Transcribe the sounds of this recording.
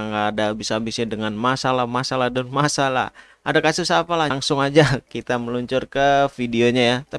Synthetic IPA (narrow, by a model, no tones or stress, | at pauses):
ŋɡaːdabisabisɪdəŋanmasalamasaladanmasala̰ | ʔadakasusapalaŋsʊŋad͡ʒakit̪aməluɲt͡ʃʊrkəfideoɲajat̪a